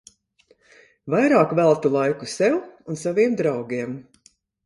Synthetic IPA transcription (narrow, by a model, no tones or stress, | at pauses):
vajɾaːkvælˠt̪ulˠajkusɛwunsaviɛmd̪ɾawɡiɛm